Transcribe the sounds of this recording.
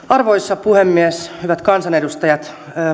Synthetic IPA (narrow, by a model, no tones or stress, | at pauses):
ɑrʋoisːɑpuhemːieshyʋæt̪kɑnsɑnedust̪ɑjɑt̪ː